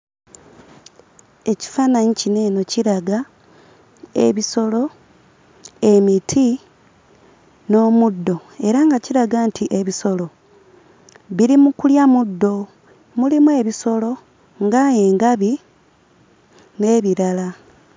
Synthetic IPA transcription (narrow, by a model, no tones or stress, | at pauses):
e̞ci̥faːnaɲicine̞ːno̞ciɾaɡa | e̞̰βiso̞lo̞ | e̞mitʰi | no̞ːmudːo̞e̞ɾaŋɡaciɾaɡaːntʰiʔeβiso̞lo̞ | βiɾimukuljamudːo̞ | mulimwe̞ːβiso̞lo̞ | ŋɡaje̞ːŋɡaβi | ne̞ːβiɾala